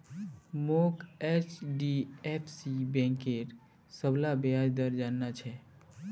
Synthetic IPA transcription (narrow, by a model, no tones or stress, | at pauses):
moket͡ʃɖiepʰsibɛ̃ŋkeɾ | səblabead͡ʒd̪əɾd͡ʒanːat͡ʃʰɛ